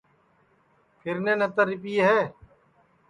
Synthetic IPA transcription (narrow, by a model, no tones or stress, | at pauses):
pʰɪɾnẽːnẽːt̪əɾɪp̬iːɦɛː